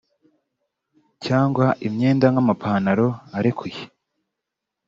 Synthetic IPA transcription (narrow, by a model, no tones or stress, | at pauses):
caːŋɡwaʔimɲe̞ːndaŋɡamapʰaːnaɾo̞aɾekʰuje